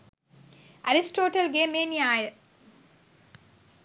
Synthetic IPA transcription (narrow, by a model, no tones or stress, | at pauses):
ɐɾisʈoːʈɐlɡeːmeːniaːjə